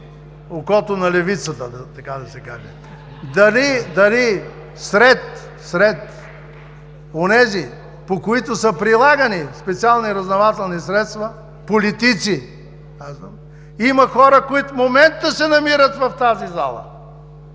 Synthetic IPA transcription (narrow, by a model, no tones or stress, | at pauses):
okɔt̪ʊnɐlɛvit̪sət̪əd̪ɐt̪ɐkad̪ɐsɛkaʒɛ | d̪ɐlid̪ɐli | sɾɛt̪ | sɾɛt̪ | onɛzi | pokoit̪ʊsəpɾilˠaɡɐnispɛt̪sialˠniɾɐznɐvat̪ɛlˠnisɾɛt̪st̪vɐ | polit̪it̪si | kazvəm | imɐxɔɾəkoit̪fmomɛnt̪ːəsɛnɐmiɾət̪vɐft̪azizalˠə̰